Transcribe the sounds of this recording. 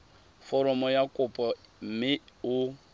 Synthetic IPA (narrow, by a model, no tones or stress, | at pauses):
fɔɾɔmɔjakʼʊpʼɔmmɪu